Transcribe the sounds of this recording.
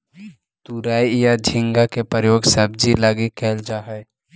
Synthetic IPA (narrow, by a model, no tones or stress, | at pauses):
t̪uɾaːijad͡ʒʱɪ̃ŋɡakepɾəɾəjoːɡsəb̚d͡ʒilaɡikɛːld͡ʒaːɦɛ